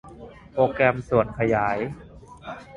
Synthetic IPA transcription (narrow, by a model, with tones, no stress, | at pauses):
pɾoː˧kɾɛ˧msu˨˩ənkʰa˧jaː˩˦j